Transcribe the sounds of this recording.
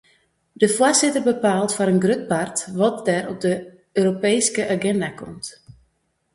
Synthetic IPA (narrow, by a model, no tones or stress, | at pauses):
d̥əfʊrzɪtərbəpaːlˠtfɔɾənɡrøt̚partʋɔt̚dɛɾɔp̚də | øːɾopeːjskəʔaɡɛndakɔ̰mt